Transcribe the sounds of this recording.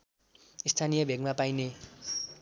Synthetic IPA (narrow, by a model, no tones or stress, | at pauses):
ist̪ʰanijʌbʱeɡmapajne